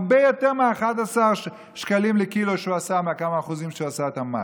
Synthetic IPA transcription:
bejot̪eʁmeaeχad̪asaʁ | ʃkalimlekiloʃeuasameakamaːχuzimʃeuasaet̪ama

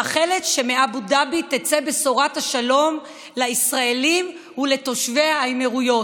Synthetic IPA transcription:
aχe̞le̞tʃe̞meabudabit̪et͡sebe̞soʁathaʃalo̞m | laisʁaelim | huleto̞ʃve̞ajmeʁujo̞

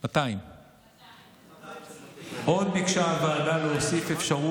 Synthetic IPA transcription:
mat̪aim | ʔo̞d̪bikʃaavaaːdaloosife̞fʃaʁu

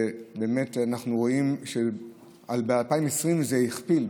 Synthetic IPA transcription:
be̞ːmetanaχnuʁo̞imʃe | albealpaimesʁimzejiχpil

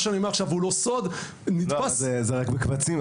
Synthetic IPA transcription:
ʃaniomeaχʃavulo̞sod̪ | nid̪paszezeʁakbekvat͡sim

